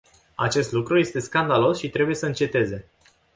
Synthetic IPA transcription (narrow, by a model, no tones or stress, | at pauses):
a̰t͡ʃe̞st̪lukɾuje̞st̪e̞skand̪alo̞sʃit̪ɾe̞buje̞səɨnt͡ʃe̞t̪e̞ze̞